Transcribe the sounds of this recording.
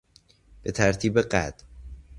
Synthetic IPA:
b̥et̪ʰæɾt̪ʰiːbeɢæ̰d̪̥

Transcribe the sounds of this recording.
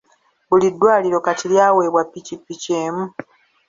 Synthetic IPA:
bulidːwaːliɾo̞katiljaːwe̞ːβwapːicipːiceːmu

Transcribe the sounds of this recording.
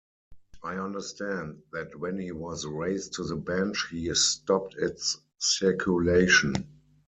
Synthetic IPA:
ʔaɪãndə˞stæ̃ndðætwɛ̃nhiːwɔzɹeɪstʰuðəbæ̃nt͡ʃhiːstɔptɪtsː | ɪkʰjuleɪʃə̃n

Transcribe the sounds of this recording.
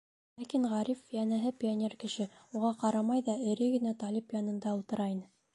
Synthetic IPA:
lækiɴʁɑɾʲifːʲijænæɦɘpʲɪonʲerkɘ̆ʃɘuʁɑqɑɾɑmɑjðɑɘ̆ɾɘɡɘ̆næt̪ɑlʲipjɑnɤ̆nd̪ɑŭlˠt̪ɤ̆ɾɑinɘ

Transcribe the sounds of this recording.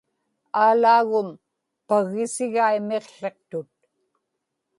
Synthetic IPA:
aːlaːɣʊm | paɣɪsɪɣaime̞qɬeq̚t̪ʊt̪̚

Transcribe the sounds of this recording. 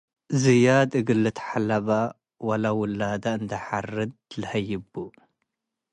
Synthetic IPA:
zɨjad̪ʼɨɡɨlːɨt̪ʰħalːaβa | walawʊlːad̪aɨnd̪ɐħarɨd̪̚lɐhɐjːɪbu

